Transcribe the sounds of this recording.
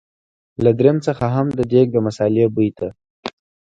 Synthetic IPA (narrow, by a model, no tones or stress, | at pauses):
lad̪ɾemt͡səxaɦamd̪əɖek̚d̪əmasɑlebujt̪a